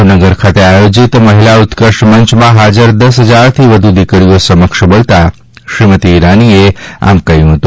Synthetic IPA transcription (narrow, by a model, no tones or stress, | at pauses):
nəɡəɾkʰat̪eajod͡ʒit̪məɦilaut̪kəʃʈməɲt͡ʃmãɦad͡ʒəɾd̪əs̬ɦəd͡ʒaɾt̪ʰiʋəd̪ʱud̪ikɽijosəməkʃbəlt̪a | ʃɾimət̪iːɾaniea̰mkəjũɦət̪ũ